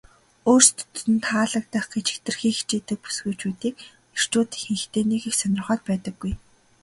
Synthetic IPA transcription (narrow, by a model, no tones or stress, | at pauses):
oːrst̪ʰt̪ɘ̆nt̪ʰχaːɮə̆k̚t̪aχɡet͡ɕɪ̆kt̪ɘ̆rxiːxt͡ɕeːt̪ɘ̆k̚pu̥sɡŭːt͡ɕuːt̪iːk̚ | ir̥t͡ɕuːt̪xiŋxt̪eːnexixsœnʲɪ̆rχœːt̪̚pæːt̪ə̆ɡːuj